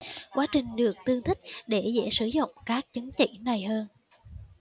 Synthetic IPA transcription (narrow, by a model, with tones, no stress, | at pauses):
kwaː˨˦t͡ɕï˨˩ŋ̟ɗɨ˨˩ək̚t̪ɨ˧əŋt̪ʰï˦˥k̟̚ɗe˧˩zɛ̰˧˥sɨ˧˩zʊ̰˧˨ŋ͡mkaː˦˥k̚t͡ɕə˨˦ŋt͡ɕḭ˧˩˨na˨˩jhəː˧n